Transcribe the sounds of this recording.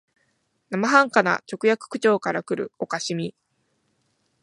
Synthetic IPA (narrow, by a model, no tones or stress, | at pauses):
namaɦãŋkana̰t͡ɕo̞kɯ̟jakɯ̟̥kɯ̟t͡ɕo̞ːkaɾakɯ̟ɾɯ̟̰o̞kaɕimʲi